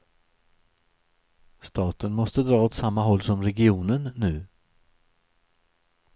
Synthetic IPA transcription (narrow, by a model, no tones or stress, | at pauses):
st̪ɑːt̪ənmɔst̪əd̪ɾɑːoːt̪samːaɦɔlːsɔmɾɛɡɪuːnənːʉ̟ː